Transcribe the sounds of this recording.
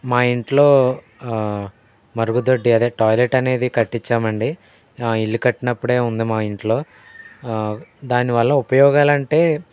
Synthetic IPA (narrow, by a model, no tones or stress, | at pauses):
maːiɳʈlo̞ː | mɐɾuɡud̪oɖːiɐd̪eːʈɔːjleʈɐne̞ːd̪ikɐʈːiɲt͡ʃːaːmɐɳɖi | iɭːukɐʈːinɐpːuɽe̞ːund̪imaːiɳʈlo̞ː | d̪aːniʋɐɭːɐupɐjɔːɡaːlɐɳʈe̞ː